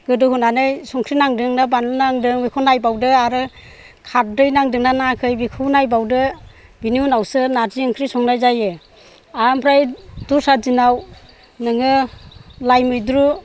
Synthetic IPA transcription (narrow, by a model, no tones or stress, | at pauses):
ɡ̥ɯdɯhunanɯjsɔŋkʰɾinaŋdɯŋnabanɯnaŋdɯŋbikʰɔnajbawdɯaɾɯ | kʰaɾ̚dɯjnaŋdɯŋnanakʰɯjbikʰunajbawdɯ | biniunawsɯnadiɯŋkʰɾisɔŋnajzajɯ | ampʰɾajd̥usazinaw | nɯŋɯ | lajmɯjdɾu